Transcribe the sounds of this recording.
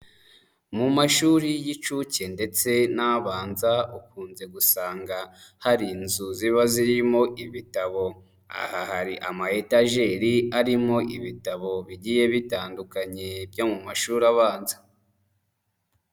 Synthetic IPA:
mumaʃuɾijit͡ʃuce̞nde̞t͡se̞naβaːnzaukuːnze̞ɡusaːŋɡahaɾiːnzuziβaziɾmo̞ʔiβitaβo̞ | a̰hahaɾiʔamaetaʒe̞ɾiaɾimo̞ʔiβitaβo̞βiɟije̞βitaːndukaɲe̞bɟomumaʃuɾaβaːnza

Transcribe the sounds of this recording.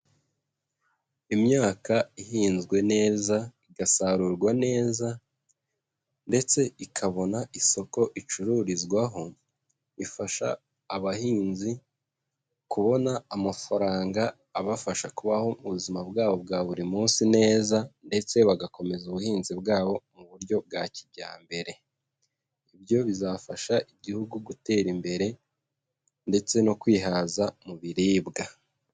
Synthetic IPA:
imɲaːkaihiːnzɡwe̞ne̞ːzaiɡasaɾuːɾɡwane̞ːza | nde̞t͡se̞ikʰaβo̞naʔiso̞ko̞ʔit͡ʃuɾuɾizɡwaɦo̞ | ifaʃa̰ː | βahiːnzi | kuβo̞naːmafaɾaːŋɡaː | βafaʃakuβaho̞uβuzimabɡaːβo̞bɡaːβuɾimuːnsine̞ːzande̞t͡se̞βaɡako̞me̞zuβuhiːnzibɡaːβo̞muβuɾɟo̞b̚ɡacibɟa̰ːmbe̞ɾe̞ | ibjo̞βizaːfaʃaʔiɟihuɡuɡute̞ːɾimbe̞ɾe̞ | nde̞t͡se̞no̞kwiːɦaːzamuβiɾiːbɡa

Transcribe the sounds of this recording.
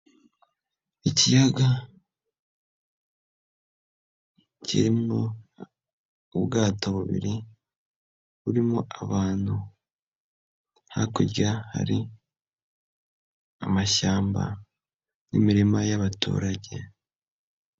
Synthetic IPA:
icijaɡa | cḭɾimo | ubɡaːtoβuβḭɾi | βuɾimoʔaβaːn̥hu | ha̰kuɾɟaha̰ɾi | amaʃaːmba̰ | nḭmiɾimajaβatṵːɾaɟe̞

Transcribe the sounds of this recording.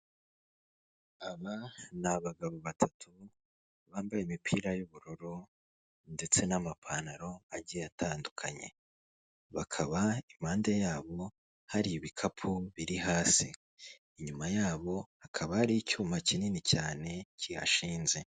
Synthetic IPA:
aβanaβaɡaβoβatʰatʰu | βaːmbajemipʰiːɾajuβuɾuɾo | nde̞t͡se̞namapʰanaɾo̞aɾɟijatʰaːndukʰaɲe̞̰ | βakʰaβaim̥aːnde̞jaːβo̞ | haɾiβikʰapʰuβiɾiɦaːsi | iɲumajaːβo̞hakʰaβahaɾicuːmacininicaːne̞cija̰ʃiːnze̞

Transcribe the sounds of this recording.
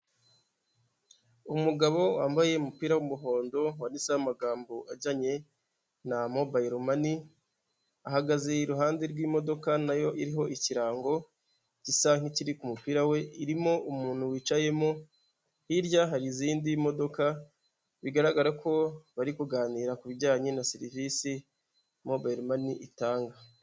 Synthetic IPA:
umuɡaβo̞waːmbaje̞umupiːɾawumuɦo̞ːndo̞wanisamaɡaːmboʔaɟaɲe̞ | namo̞baiɾomani | aɦaɡaze̞iɾuɦaːndeɾɡwiːmo̞do̞kanajo̞ʔiɾiɦo̞ʔiciɾaːŋɡo̞ | cisaŋ̥iciɾikumupiɾawe̞iɾimo̞ʔumuːn̥huwiːt͡ʃaje̞mo̞ | hiɾjaɦaɾiziːndimodo̞ka | βiɡaɾaɡaɾako̞βaɾikuɡaːniːɾakuβiɟaːɲe̞nasiɾivisi | mo̞bajiɾomaniʔitaːŋɡa

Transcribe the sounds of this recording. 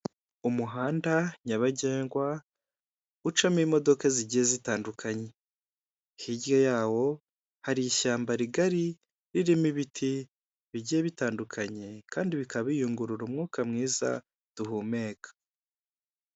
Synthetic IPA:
umuɦaːndaɲaβaɟe̞ːŋɡwa | ut͡ʃamimo̞do̞kaziɟijezitaːndukʰaɲe̞ | hiɟjo̞jaːwo̞ | haɾiiʃaːmbaɾiɡaɾi | ɾiɾimiβitʰi | βiɟijeβitaːndukʰaɲe̞kaːndiβikaβijuŋɡuɾuɾumŋuːkamŋiːza̰ | d̥uɦuːme̞ːkʰḁ

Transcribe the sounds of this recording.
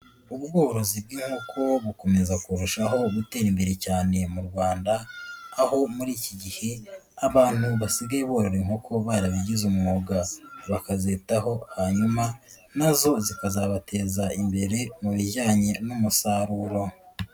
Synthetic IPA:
uβuɡoːoɾo̞zib̚ɡiːŋhokʰo̞βuko̞me̞zakuɾuʃaɦo̞ɡute̞ːɾimbe̞ɾe̞caːne̞muɾɡwaːndaːho̞muɾiːciɟihe̞ | aβaːn̥huβasiɡaiβoːɾe̞ɾeŋ̥hokʰo̞βaːɾaβiɟizumuoɡaβakazetaɦo̞haɲuma | nazo̞zikazaβatʰe̞ːzaimbe̞ɾe̞muβijaːɲe̞numusaɾuɾo̞

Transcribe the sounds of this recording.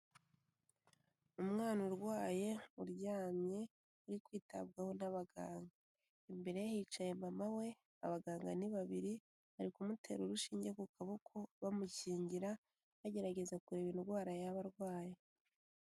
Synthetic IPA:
umŋaːnuɾɡwaːje̞uɾɟaːmɲe̞ | uɾikwiːta̰b̚ɡahonaβaɡaːŋɡa | imbe̞ɾe̞jahiːt͡ʃajemamawe̞ | a̰βaɡaːŋɡa̰niβaβiɾi | βaɾikumutʰe̞̰ɾoɾuʃiːɲɟekukʰaβokʰo̞βamuciːɲɟiɾa | βaɟe̞ɾaɟe̞zakuɾeβinɾɡwaːɾajaβaɾɡwaːje

